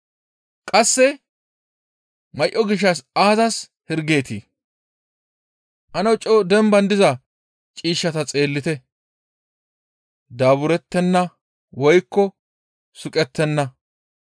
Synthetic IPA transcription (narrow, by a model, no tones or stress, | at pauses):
kʼɐsːɛ | mɐjʔɔɡɪʃ̬ːɐsaːzɐs | hɪɾɡe̞ːt̪ḭː | ʔɐnɐwt͡ʃʼːɔd̪ɛmbɐnd̪ɪzɐ | t͡ʃʼiːʃːɐt̪ɐt͡sʼe̞ːlːɪt̪ɛ | d̪aːbʊɾɛt̪ːɛnːɐ | wɔjkːɔ | sʊkʼɛt̪ːɛnːɐ